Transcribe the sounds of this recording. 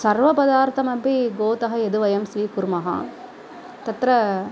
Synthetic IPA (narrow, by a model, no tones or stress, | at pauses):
sɐɾʋɐpɐðaːɾt̪ʰɐmɐbiɡoːt̪ɐɦɐɛðɯʋɐjɐmsʋiːkʊɾmɐɦa̰ː | t̪ɐt̪ɾɐ